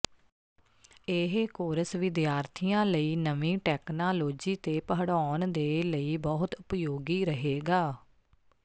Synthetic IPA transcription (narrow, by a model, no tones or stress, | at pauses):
eɦkoːɾəsʋɪd̪jaːɾt̪ʰijãːləiːnəʋĩːʈɛːknaːloːd͡ʒiːt̪eːpəɦəɽaːnd̪eːləiːbɔːɦt̪ʊpjoːɡiːɾəɦeːɡaː